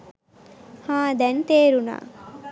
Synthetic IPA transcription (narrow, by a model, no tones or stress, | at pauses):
hãːd̪ɛnt̪eːɾuna̰ː